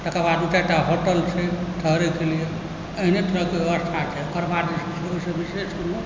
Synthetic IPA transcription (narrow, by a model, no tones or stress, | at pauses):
t̪əkabad̪ũt͡ʃaʈaɦoʈəlseʈ̪ʰəɦɾekelije | əɦinet̪ʰuɾəkebjebəst̪ʰat͡ʃʰɛkəɾbad̪isit͡ʃʰeoisə̃biseskolo